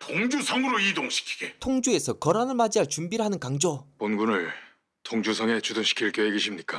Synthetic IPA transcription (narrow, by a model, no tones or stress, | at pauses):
tʰoŋd͡ʑusʰʌŋɯɾoidoŋɕʰi̥kʰi̥ɡ̥etʰoŋd͡ʑue̞sʰʌkʌɾanɯɭmad͡ʑiaɭt͡ɕumbiɾɦanɯnkaŋd͡ʑoponɡunɯɭ | tʰoŋd͡ʑusʰʌŋe̞t͡ɕudɯnɕʰi̥kʰiɭk͈joɦeɡeɕʰimɲik͈a